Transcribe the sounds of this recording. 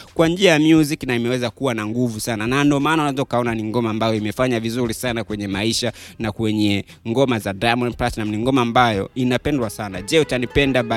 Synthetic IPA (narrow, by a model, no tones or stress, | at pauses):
kwand͡ʒiajamjuziknaimɛwɛzakuwanaŋɡuvusananandɔmaːnaunazɔukaɔnaniŋɡɔmaːmbajɔimɛfaɲavizuɾisanakwɛɲɛmaiʃanakwɛɲɛ | ŋɡɔmazadajmɔnplatnamniŋɡɔmaːmbajɔ̰inapɛndwasanad͡ʒɛutanipɛndaɓa